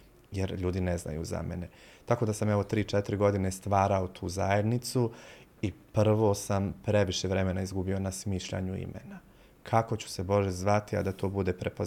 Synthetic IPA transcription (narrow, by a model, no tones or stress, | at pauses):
jeɾʎuːd̪inezna̰jṵza̰mḛne̞t̪ako̞d̪asamɛʋo̞t̪ɾiːt͡ʃet̪ɾiɡo̞d̪ine̞st̪ʋaːɾaot̪ʰuːzajed̪nit̪suipr̩ʋo̞sampɾe̞ʋiʃe̞ʋɾe̞me̞naizɡubio̞nasmiːʃʎa̰ɲuḭmḛna | kʰako̞t͡ɕu̥se̞bo̞ʒe̞zʋat̪ia̰d̪at̪o̞ːbud̪e̞pɾepo